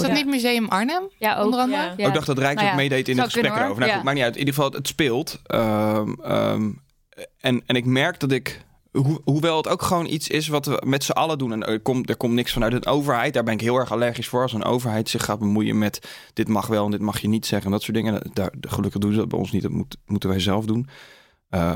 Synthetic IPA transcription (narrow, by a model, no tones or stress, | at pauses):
nitmyzejəmɑɹnəməɑndəəɪɡdɑχdɑtrɛjksokmejdejtɪndəχəspprɛəowfənaukmak̚niœtnidəχəfɑlˠətspɪːlˠtəə̰m | ɛnɛnɪkmɛɹk̚dɑtɪk | ɦuɦuʋɛlˠətowkχəʋownʔḭtsɪsʋɑtʋə̰mɛtsəʔɑlədunɛnkomdəɹkɔmtnɪksfɑnœɥtənʔowvəɹɦɛjt̚d̥aːɹbɛnɪkɦɪːlˠɛɹχalɛɹχisfʊːɹɑlˠsənʔo̰wvəɹɦɛjtsɪχːaːd̚bəmujə̰mɛtd̥ɪtmɑχʋɛlˠɛndɪt̚mɑχjənitsɛχənɛndɑtsʊːdɪŋə̰da̰ːɹχəlɵkəχdunzədɑdbɛ̰jɔ̰nsnit̚dɔ̰tmutmutənʋɛjzɛlˠfdun | ə